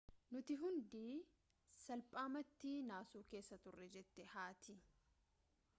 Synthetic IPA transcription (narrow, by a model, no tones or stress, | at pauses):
nʊt̪ɪɦʊnd̪iː | sɐlpʼaːmɐt̪ːiːnaːsuːke̞ːsːɐt̪ʊrːɛd͡ʒɛt̪ːɛhaːt̪ʰɪ